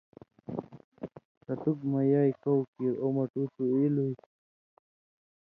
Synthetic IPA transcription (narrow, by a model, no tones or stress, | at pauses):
kɐt̪ukmɐjaːjkowkiɾomɐʈut̪uiluj